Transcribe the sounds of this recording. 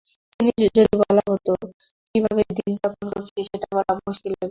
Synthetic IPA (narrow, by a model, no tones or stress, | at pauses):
t̪inid͡ʑod̪ibɔlaɦot̪o | kibʱabed̪ind͡ʑaponkoɾt͡ɕʰiʃeʈabɔlamuʃkilebe